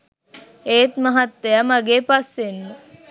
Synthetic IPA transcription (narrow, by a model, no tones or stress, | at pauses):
eːt̪mɐɦɐt̪ːejamaɡeːpasːenːu